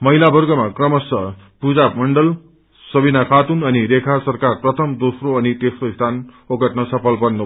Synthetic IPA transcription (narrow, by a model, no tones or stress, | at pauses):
mʌilabʌrɡʌmakrʌmʌsʌ | pud͡zapmʌɳɖʌl | sʌbinakʰat̪unʌniɾekʰarsʌrkarprʌt̪ʰʌmd̪osroʌnit̪esroist̪ʰan | oɡʌʈnʌsʌpʰʌlpʌrnːu